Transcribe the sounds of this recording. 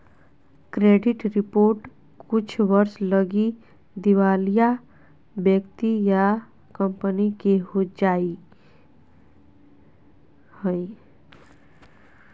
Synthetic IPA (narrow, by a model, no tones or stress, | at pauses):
kɾeɖiʈɾipoɾʈ | kut͡ʃʰbʌɾslʌɡi | d̪iwalija | bjəkt̪ija | kəmpənikeɦod͡ʒai | həj